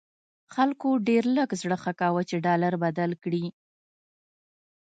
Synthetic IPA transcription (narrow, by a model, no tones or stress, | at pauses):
xalkoɖeɾləɡzɽəxakɑwat͡ʃeɖɑlaɾbad̪alkɽi